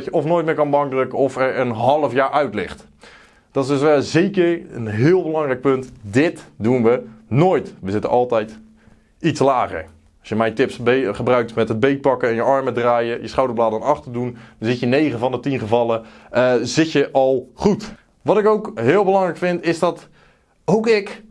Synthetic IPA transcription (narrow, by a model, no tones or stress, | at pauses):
tjəɔfnoːjt̚mɪːɹkɑnbɑŋkdrøkənɔfɛɹənɦɑlˠəfjaːɹʔœɥtlɪχt | d̥ɔtɪsdøsʋɛlˠzejkəɹənɦɪːlˠbəlɑŋrɛjk̚pɵntdɪtdunʋənoːjtʋəzɪtə̰ʔɑlˠtɛjt | itslaːχə̰ɹ | ɔsjəmɛjntɪpsbχəbrœɥk̚tmɛtɦəd̚bejt̚pɑkəɛnjəɑɹmədraːjəjəsχawdəɹblaːdənɑχtədunəzɪtjənejχəvɑndətinχəvɑlˠə | zɪtjəʔɑlˠχut | ʋɑtɪkowkɦɪːlˠbəlɑŋrɛjkfɪntɪzdɑt | owkɪk